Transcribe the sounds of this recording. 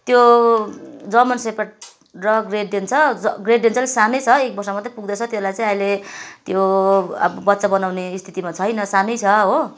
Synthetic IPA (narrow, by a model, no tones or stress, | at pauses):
t̪jo | d͡zʌmʌnsepaʈ̚ | rʌɡreɖd̪int͡sʰʌɡreɖ̚d̪int͡sʰʌlsanʌjt͡sʰʌek̚bʌrsʌmat̪ʌ̃puɡ̚d̪ʌt͡sʰʌt̪jeslajt͡sãĩailet̪joʌ̰bʌbʌt̪ːsabʌnawneːst̪ʰi̥t̪imat͡sʰʌjnʌsanʌjt͡sʰʌɦo